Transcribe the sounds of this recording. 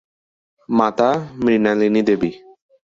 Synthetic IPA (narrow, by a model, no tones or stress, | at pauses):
mat̪amɾinalinid̪ebi